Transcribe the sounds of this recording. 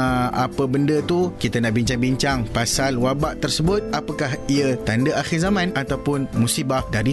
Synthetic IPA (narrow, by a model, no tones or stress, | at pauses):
a̰pəbəndət̪ukit̪anaʔbiɲt͡ʃaŋbiɲt͡ʃaŋpasalwabaʔt̪ərsəbʊt̪̚apakahiət̪andəaxɪrzamãnat̪awpʊnmũsibahdaɾi